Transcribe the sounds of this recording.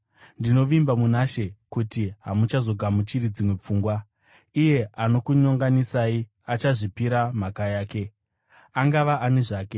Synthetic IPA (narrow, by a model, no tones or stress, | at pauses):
ndino̞ʋimbamunaʃe̞kutiɦamut͡ʃazo̞ɡʱamut͡ʃiɾid͡zimwe̞p͡fuːŋɡwa | ije̞ano̞kuɲoŋɡanisaːi | at͡ʃaʐipiɾamakajaːke̞ | aŋɡaʋaʔaneʐaːke̞